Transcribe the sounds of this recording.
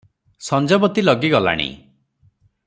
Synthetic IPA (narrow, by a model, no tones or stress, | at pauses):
sɔnd͡ʒɔbɔt̪ilɔɡiɡɔla̰ɽ̃ḭ